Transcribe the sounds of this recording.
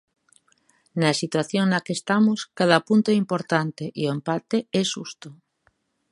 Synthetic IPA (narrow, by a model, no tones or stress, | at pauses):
nasit̪waθjoŋnakest̪amoskaðapunt̪oɛimpoɾt̪ant̪eʔioempat̪eɛsust̪o